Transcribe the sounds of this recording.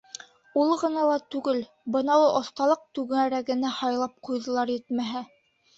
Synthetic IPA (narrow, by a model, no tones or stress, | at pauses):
ulˠɤʁɤ̆nɑlˠɑt̪ʉɡɘl | bɤ̆nɑwɤʔŏθt̪ɑlˠɤq̚t̪ʉɡɘŋæɾæɡɘ̆næhɑjlˠɑp̚qujðɤ̆lˠɑɾjɘt̪mæɦæ